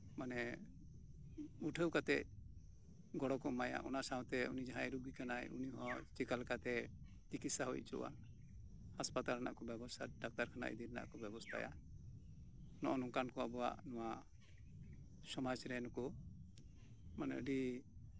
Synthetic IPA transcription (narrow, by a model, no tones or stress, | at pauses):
manɛ | uʈʰəwkat̪ɛc̚ | ɡɔɽɔkɔmaja̰ʔɔ̰nasaw̃t̪ɛunid͡ʒaɦãɛɾuɡikanajṵniɦɔ̃t͡ʃikalkat̪ɛ | t̪ikit̪saɦɔj̚t͡ʃɔ̰wa̰n | haspat̪alna̰ʔkɔbɛbɔsʰaɖak̚t̪aɾkʰana̰ʔḭd̪iɾna̰ʔkɔbɛbɔst̪ʰa̰ja̰ | nɔʔɔnɔŋkankɔabɔwa̰ʔnɔwa | sɔmad͡ʒɾɛnɔkɔ | manɛ̰ɔɖi